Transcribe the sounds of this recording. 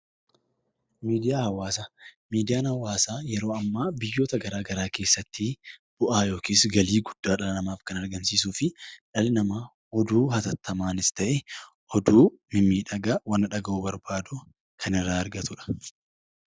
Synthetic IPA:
miːd̪ɪjaːhɐwaːsamiːd̪ɪjaːnhɐwaːsaːjɛɾo̞ːɐmːaːbɪjːo̞ːt̪ɐɡɐɾaːɡɐɾaːke̞ːsːɐt̪ʰːɪb̥ʊʔaːjo̞ːkiːsɡɐliːɡʊd̪̥ːaːᶑɐlɐnɐmaːfkɐnɐɾɡɐmsiːs̬uːfɪᶑɐlnɐmaː | ɔd̪uːhɐt̪ɐt̪ːɐmaːnɪst̪ɐʔɛ | ʔɔd̪uːmɪmiːᶑɐɡɐwɐnːɐᶑɐɡɐuːbɐɾbaːd̪ʊ | kʰɐnɪrːaːɐɾɡɐt̪ʊᶑɐ̥

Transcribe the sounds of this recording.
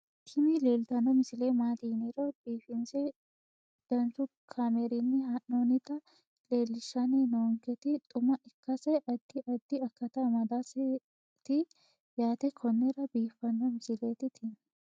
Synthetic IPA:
kʰɪmɪleːlt̪ɐnɔmɪsɪleːmaːt̪iːnɛɾɔbiːfɪnsɛ | d̪̥ɐnsʊkʰameɾinːɪhɐʔːoːnɪt̪ːɐ | leːlːɪʃːɐnenoŋkɛt̪ɪt̪ʼʊmɐʔɪkːɐsɛʔɐd̪̥ːɪʔɐd̪ːɪɐkːɐt̪ɐmɐd̪asɛ | t̪ɪ | jaːt̪ɛkʰɔnːɛɾɐbiːfːɐnːɔmɪsɪleːt̪ɪt̪ʰɪn

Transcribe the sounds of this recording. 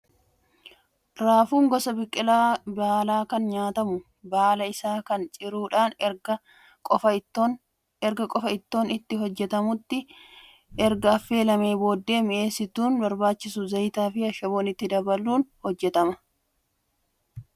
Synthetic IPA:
ɾaːfuːŋɡɔsɐbɪkʼːɪlaːbaːlaːkɐnɲaːt̪ɐmʊ | baːlɐɪsaːkɐnt͡ʃʼɪɾuːᶑaːnɐ | kʼɔf | ɛɾɡɐkʼɔfɐɪt̪ːo̞ːnɪt̪ːɪɦɔd͡ʒːɛt̪ɐmʊt̪ːɪ | ʔɛɾɡɐɐfːe̞ːlɐmeːbo̞ːd̪ːe̞ːmɪʔe̞ːsɪt̪uːnbɐɾbaːt͡ʃːɪsʊzɐjt̪aːfɪɐʃɐboːnɪt̪ːɪd̪ɐbɐlːuːnhɔd͡ʒːɛt̪ɐmɐ

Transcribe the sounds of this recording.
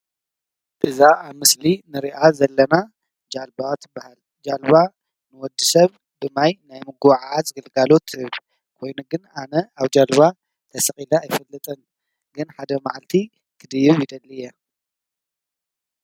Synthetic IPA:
ʔɨzaːβmɨslinɨɾiʔazɐlːɐna | d͡ʒalbat̪ʰɨbːahal | d͡ʒalβa | nɨwɔd̪ːisɐβ | bɨmajnajmɨɡʕazɨɡɨlɡalo̞t̪ʰːhɨβ | kʰo̞jnuɡɨnanɐaβd͡ʒalβa | t̪ʰɐsɐχʼilɐajfɐlːɨt̪ʼɐn | ɡɨnħad̪ɐmaʕalt̪ʰi | kʰɨd̪ɨjɨβjɪd̪ɐlːɨjɛ

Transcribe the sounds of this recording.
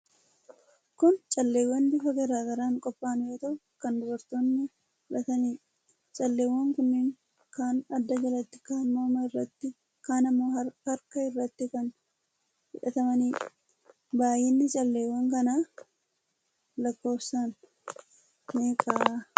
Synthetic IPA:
kʊnt͡ʃʼɐlːe̞ːwːɐnd̪ɪfɐɡɐɾaːɡɐɾaːŋkʼɔpʼːaːnjoːt̪ɐʔʊ | kɐnd̪ʊbɐɾt̪oːnːɪ | fɪᶑɐt̪ɐniː | t͡ʃʼɐlːe̞ːwːɐŋkʊnːɪŋ | kaːnɐd̪ːɐd͡ʒɐlɐt̪ːɪ̥kamːoːmɐɪrːɐt̪ːɪ | kaːnɐmːoːhɐɾkɐɪrːɐt̪ːɪkɐn | fɪᶑɐt̪ɐmɐniː | baːjɪnːɪt͡ʃʼɐlːe̞ːwːɐŋkɐnaː | lɐkːo̞ːfsaːn | eːkʼaː

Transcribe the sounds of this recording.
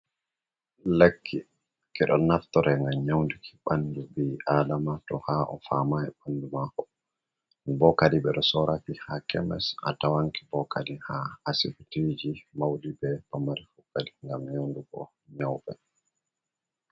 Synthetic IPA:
lekʰːi | kʰɛɗɔ̰naftɔɾɛŋɡamɲawndukʰi̥ɓanːdubiʔadamatɔhaʔɔfamaɛɓandumakɔ̥ | bɔkadiɓɛɗɔsɔɾakihakɛmɛ̰sʔa̰tawaŋkibɔkʰadihaːsifitid͡ʒimawdibɛpamaɾifukːadiŋɡamɲawnduɡɔ̰ | ɲawɓɛ

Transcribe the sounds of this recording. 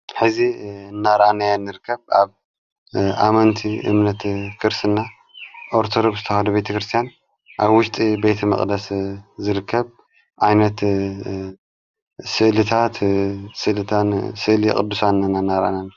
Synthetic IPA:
ħɨzinːaɾʔanajanːɨɾɨkːɐβʔaβ | amɐnt̪ʰiʔɨ̰mnɐt̪kʰɨɾsɨnːa | ʔo̞ɾt̪ʰod̪o̞ɡszɨt̪ʰɐxɐd̪ubet̪ʰɐkɾɨst̪ʰjan | ʔaβwʊʃt̪ʼibe̞t̪ʰɐmɐ̰χʼd̪ɐszɨɾɨkʰːɐβ | ʕajnɐt̪ | sɨʔlɨt̪ʰat̪sɨʔlɨt̪ʰansɨʔlikʼɨ̰d̪ːusanːanːanːaɾʔa̰nanːa

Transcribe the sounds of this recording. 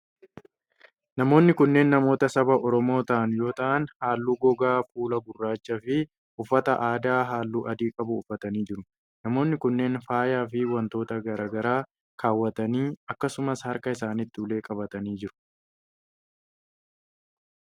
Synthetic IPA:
nɐmo̞ːnːɪkʊnːe̞ːnːɐmo̞ːt̪ɐsɐbɐʔɔɾɔmo̞ːt̪ɐʔɐnjo̞ːt̪ɐʔɐnhaːlːuːɡɔɡaːfuːlɐbʊrːaːt͡ʃːɐfɪ | ʊfːɐt̪ɐʔaːd̪aːɦaːlːuːʔɐd̪iːkʼɐbʊːfːɐt̪ɐniːd͡ʒɪɾʊ | nɐmo̞ːnːɪkʊnːe̞ːnfaːjaːfɪwɐnt̪o̞ːt̪ɐɡɐɾaːɡɐɾaː | kʰaːwːɐt̪ɐniːɐkːɐsʊmɐshɐɾkɐɪsaːnɪt̪ːɪʊle̞ːkʼɐbɐt̪ɐniːd͡ʒɪɾʊ̥

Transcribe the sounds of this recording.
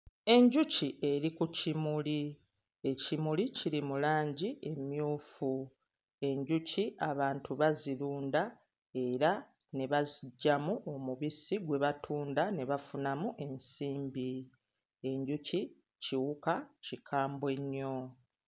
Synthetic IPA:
e̞ɲɟuciʔe̞ɾikucimuli | e̞cimuliciɾimulaːɲɟiʔe̞mjuːfu | e̞ɲɟuciʔaβaːntʰuβaziɾuːnda | e̞ɾa | ne̞βaziɟːamuʔo̞muβisiɡwe̞βatʰuːndane̞βafunamuʔe̞nsiːmbi | e̞ɲɟuci | ciwukacikʰaːmbwe̞ɲːo̞

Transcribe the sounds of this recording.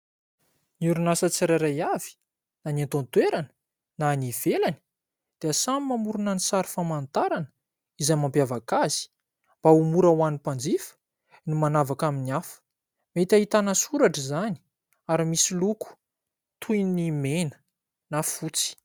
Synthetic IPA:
niuɾunasət͡siɾaɾajavi̥ | nanant̪ont̪weɾanə̥ | naniv̥elani̥ | d̪̥easamimamuɾunanisaɾi̥famant̪aɾanə̥ | izajmampjavakaz̥i̥ | mb̥aumuɾawanipand͡zifə̥ | nimanavakaminiafə̥ | met̪aɦit̪anasuɾaʈ͡ʂəzani̥ | aɾimisiluku̥ | t̪ʰujnimenə̥ | nafut͡si̥

